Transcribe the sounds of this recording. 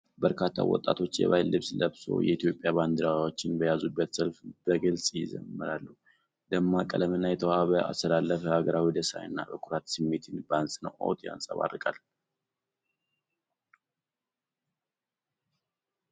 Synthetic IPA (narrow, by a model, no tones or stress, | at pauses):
bəɾkʰat̪ʰːa̰wɔ̰t̪ʼːat̪ʰo̞t͡ʃːjɛ̰βajlːɨβsləβso̞̰jɛit̪ʰjo̞pʼjaband̪ɨɾawwo̞t͡ʃːɪnbəjazubːət̪səlfb̥əɡɨlsʼjɪzə̰mːɨɾalːu | d̪əmːakʼələmənːajɛt̪ʰəwaβəa̰st̪ʰəlalːəfəhaɡəɾawid̪əsajɨnːa̰bəkʰuɾat̪sɨmːe̞t̪ʰɨnbəansʼɨnə̰wʔo̰t̪ʰʼja̰nsʼəβa̰rɨkʼal